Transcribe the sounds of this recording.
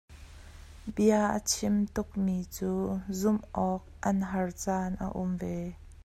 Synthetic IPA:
biaʔə̰t͡sʰɪmt̪ʊk̚mit͡suːzʊmʔɔːk̚ʔɐnɦɐrt͡saːnʔa̰ʔʊ̰mve

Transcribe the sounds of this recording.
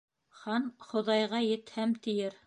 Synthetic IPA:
χɑnχŏðɑjʁɑjɘ̆t̪hæmt̪ɘ̆jɘɾ

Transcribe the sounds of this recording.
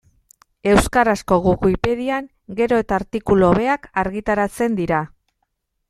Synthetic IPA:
e̞wskaɾasko̞ɣukuipeðiaŋ | ɡe̞ɾo̞et̪aːɾt̪ikulo̞βe̞akaɾɣit̪aɾat͡se̞nd̪iɾa

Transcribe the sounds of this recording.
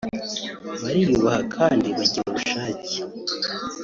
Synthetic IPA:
βaɾijuβahakʰaːndiβaɟiɾaβuʃaːcie̥

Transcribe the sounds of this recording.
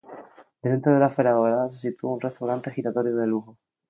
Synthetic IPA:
d̪ent̪ɾoð̞e̞lafeɾaɣoɾaðasesit̪uaunre̞st̪awɾant̪exit̪at̪o̞ɾjoðeluɣo

